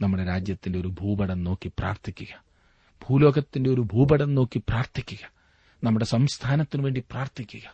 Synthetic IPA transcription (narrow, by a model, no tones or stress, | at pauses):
nɐmːuɽe̞ɾaːd͡ʑjɐt̪ːinde̞o̞ɾubʱuːbɐɽɐnno̞ːkːipra̰ːrt̪ʰikʲːuɣɐ | b̥ʱuːlo̞ːɡɐt̪ːindeo̞ɾubʱuːbɐɽɐnno̞ːkːipraːrt̪ʰikʲːuɣɐ | nɐmːuɽe̞sɐmst̪ʰaːnɐt̪ːinuʋe̞ːɳɖipraːrt̪ʰikʲːuɣɐ